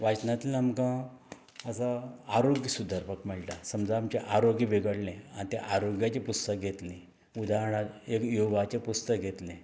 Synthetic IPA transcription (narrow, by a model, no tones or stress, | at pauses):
ʋat͡ɕnat̪ilamkã | əsaaɾoɡjəsud̪ʱəɾpəkmɛɭʈasəmd͡zaamt͡ɕeʔaɾoɡibeɡəɽlẽa̰nit̪ẽʔaɾoɡjat͡ɕepust̪ək̚ɡʱet̪lẽ | ud̪ʱaɦɳaekjoʋat͡ɕepust̪əkɡʱet̪lẽ